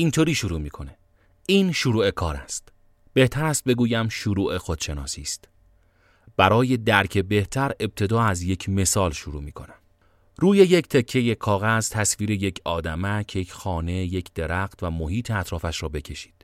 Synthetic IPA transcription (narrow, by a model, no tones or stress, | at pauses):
int̪ʰoɾiːʃuɾuːmiːkʰo̞ne | iːnʃuɾuːe̞kʰɒːɾæst̪ | b̥e̞ht̪ʰæɾæst̪̚be̞ɡuːjæmʃuɾuːʔe̞xod̪̥ʃe̞nɒːsiːst̪ | b̥æɾɒːje̞d̪æɾcʰe̞be̞ht̪ʰæɾe̞b̚t̪ʰe̞d̪ɒːæzje̞cʰme̞sɒːlʃuɾuːmiːkʰo̞̰næm | ɾuːjeject̪ʰecʰːe̞je̞kʰɒːɣæzt̪ʰæsviːɾeje̞cʰɒːd̪æmæcʰejecʰxɒːne̞je̞cʰd̪̥e̞ɾæxt̪væmohiːt̪ʰeæt̪ʰɾɒːfæʃɾɒːbe̞cʰe̞ʃi̥ːd̪̥